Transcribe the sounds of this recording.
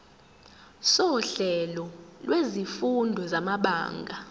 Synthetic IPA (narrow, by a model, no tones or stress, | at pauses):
sɔɬɛlɔlwezifundʱɔzamaɓa̰ːŋɡʱa